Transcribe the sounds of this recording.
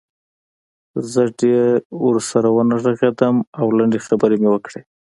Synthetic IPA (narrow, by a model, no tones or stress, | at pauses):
zəɖewəɾsaɾawənaʐaɣed̪əmawlaɳɖexabəɾemewəkɽe